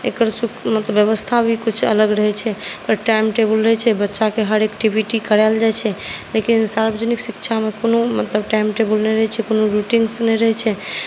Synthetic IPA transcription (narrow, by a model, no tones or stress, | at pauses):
ekəɾsukmət̪ləbjəβəst̪ʰabʱikut͡ʃʰə̰ləɡɾəɦɛt͡ʃʰɛpəɾʈajmʈebəlɾəɦɛt͡ʃʰɛbətːʃakeɦəɾekʈibʱiʈikəɾald͡ʒajt͡ʃʰɛlekinsaɾbəd͡ʒəniksikt͡ʃʰamekonomət̪ləbʈajmʈebəlnɛjɾəɦɛt͡ʃʰɛkonoɾuʈiŋɡsnɛjɾəɦɛt͡ʃʰɛ